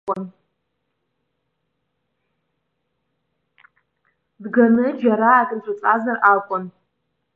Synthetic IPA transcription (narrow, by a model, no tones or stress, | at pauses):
kʷʼɔn | dɡanɨd͡ʒaɾaːtʼɨt͡ʃʷʼʊt͡sʼazarʔaːkʷʼʊn